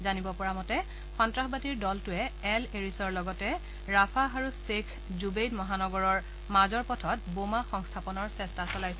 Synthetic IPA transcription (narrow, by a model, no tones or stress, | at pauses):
zanibɔpɔɹamɔtɛ | xɔntɹaxbatiɹdɔltʊɛɛleɹisɔɹlɔɡɔtɛ | ɹapʰaaɹusekʰ | zubejdmɔɦanɔɡɔɹɔɹ | mazɔɹpɔtʰɔt̚bomaxɔŋstʰapɔnɔɹsɛstasɔlajsɛ